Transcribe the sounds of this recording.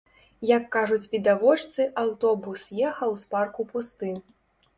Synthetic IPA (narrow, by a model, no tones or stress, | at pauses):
jɐkːaʐut͡sʲvʲid̪avɔt͡ʂt̪sɨʔawt̪ɔbusjɛxɐwsparkupust̪ɨ